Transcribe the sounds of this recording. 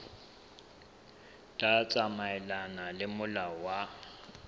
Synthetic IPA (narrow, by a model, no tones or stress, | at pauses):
tʼat͡sʼamaɛlanalɪmʊlawa